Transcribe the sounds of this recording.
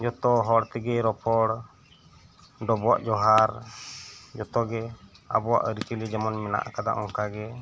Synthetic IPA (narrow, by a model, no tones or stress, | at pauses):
d͡ʒɔt̪ɔɦɔɽt̪ɛɡɛɾɔpʰɔɽ | ɖɔbɔwa̰ʔd͡ʒɔɦaɾ | d͡ʒɔt̪ɔɡɛa̰bɔwa̰ʔɾit͡ʃilid͡ʒamɔnmɛna̰ʔkad̪a̰ʔɔŋkaɡɛ